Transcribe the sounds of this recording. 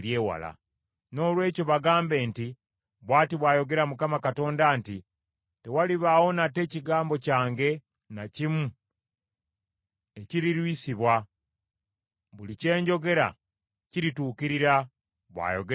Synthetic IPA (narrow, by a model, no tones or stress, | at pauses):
ɾjeːwa̰la̰ | no̞ːlwe̞ːco̞βaɡaːmbe̞ːnti | βwaːtiβwaːjo̞ɡe̞ɾamukamakato̞ːndaːnti | te̞waliβawo̞nate̞ːciɡaːmbo̞caːŋɡe̞ | nacimu | e̞ciɾiɾwisiβwa | βulice̞ːɲɟo̞ɡe̞ɾa̰ | ciɾituːkiɾiɾa | βwa̰ːjo̞ɡe